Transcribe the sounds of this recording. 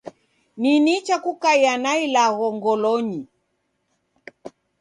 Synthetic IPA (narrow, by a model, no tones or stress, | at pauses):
ninit͡ʃakukajanailaɣɔŋɡɔlɔɲi